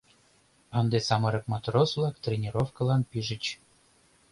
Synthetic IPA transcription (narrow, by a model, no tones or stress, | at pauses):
ɤ̆nd̪esɑmɤɾɤ̆kmɑt̪rosvlˠɑkt̪rʲenʲiɾofkə̆lɑnpiʒə̆t͡ɕ